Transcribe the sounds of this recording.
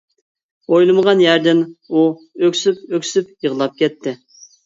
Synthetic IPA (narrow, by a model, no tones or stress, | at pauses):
ojlˠɨməʁɑnjæɾd̪ɪnu | økʲsypøkʲsypjəʁlˠɑp̚kʲɛt̪ʰːɪ